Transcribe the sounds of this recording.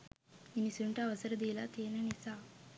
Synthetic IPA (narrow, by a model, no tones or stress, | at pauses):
inisuɳʈaʋɐsɐɾɐd̪iːlat̪eːnɐnisa